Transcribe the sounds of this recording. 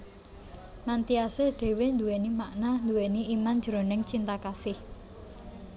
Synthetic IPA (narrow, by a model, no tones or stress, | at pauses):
mant̪iaseɖ̪̥e̤wɪnd̪uenimaʔnand̪uweniiman̥d͡ʒ̥ɾonɪŋt͡ʃint̪akasɪh